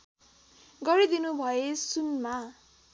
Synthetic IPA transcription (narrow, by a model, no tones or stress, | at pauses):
ɡʌɾid̪inubʱʌesunma